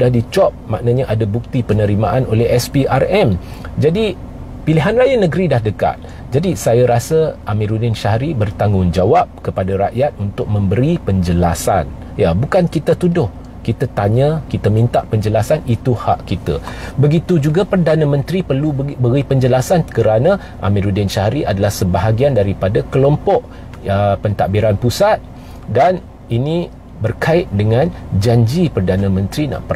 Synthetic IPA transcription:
udahdit͡ʃɔp̚ma̰ʔnaɲaʔadabuk̚t̪ipənəɾimaʔanolɛɦɛspiʔarɛm | d͡ʒadi | piliɦanlajanə̃ɡɾidahdəka̰t̪̚ | d͡ʒadisajaɾasəʔamĩɾuninʃahɾibərt̪aŋʊŋd͡ʒawap̚kəpadaɾaʔjat̪̚unt̪ʊk̚mə̃mbəɾipəɲd͡ʒəlasa̰n | jabukankit̪ət̪udʊh | kit̪at̪aɲə̃kit̪əmĩnt̪aʔpəɲd͡ʒəlasanit̪uhaʔkit̪a̰bəɡit̪ud͡ʒuɡapərdanãmə̃nt̪ɾipərlubəɾipəɲd͡ʒəlasankəɾanã | ʔa̰mĩɾudɪnʃaɾiʔadalahsəbaɦaɡiandaɾipadakəlɔmpɔʔ | əpənt̪aʔbiɾanpusat̪̚ | dan | inĩ | bərkaɪt̪̚dəŋãnd͡ʒaɲd͡ʒipərdanãmə̃nt̪ɾina̰ʔpər

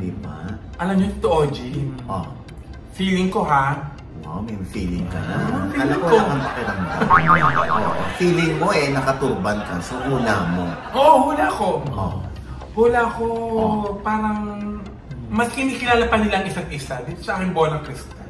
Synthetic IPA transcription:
d̪iba̰ʔɐlɐmɲoŋt̪oʔoːd͡ʒiʔo | fiːlɪŋko̞ɦa | ʔomɛfiːlɪŋkɐ̰nafiɐlaklakɐŋpɐkɪɾɐŋd̪a̰ooʔo̰fiːlɪŋmo̞ʔɛnɐkɐt̪uːbɐnkɐsoɡuːlamoʔoʔhʊlaʔɐko̞o | hʊlako̞paːɾɐŋ | mɐskɪniːkɪlaːlapɐnɪlaɐŋʔɪsaŋʔɪsad̪it̪osɐʔaːkɪŋboːlɐŋkɾɪst̪ɐ

